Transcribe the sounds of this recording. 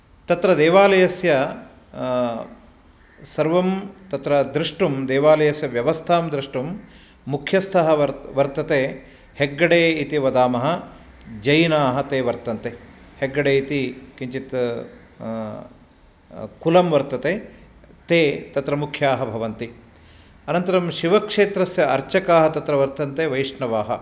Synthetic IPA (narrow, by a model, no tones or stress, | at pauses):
t̪ɐt̪ɾɐd̪eːʋaːlɐjɐsjɐ | sɐɾʋɐmt̪ɐt̪ɾɐd̪ɾiʂʈumd̪eːʋaːlɐjɐsjɐʋjɐʋɐst̪ʰaːmd̪ɾiʂʈumː | ukʰjɐst̪ʰɐɦɐɐʋɐɾt̪ɐt̪eː | heɡːɐɽeːit̪iʋɐd̪aːmɐɦɐ̆ | d͡ʒɐjnaːɦɐ̆t̪eːʋɐɾt̪ɐnt̪e | heɡːɐɽeːit̪ikiɲt͡ʃit̪ | kulɐmʋɐɾt̪ɐt̪eː | t̪eːt̪ɐt̪ɾɐmukʰjaːɦɐbʱɐʋɐnt̪i | ɐnɐnt̪ɐɾɐmʃiʋɐkʂeːt̪ɾɐsjɐʔɐɾt͡ʃɐkaːɦɐt̪ɐt̪ɾɐʋɐɾt̪ɐnt̪eːʋɐjiʂɳɐʋaːɦɐ̰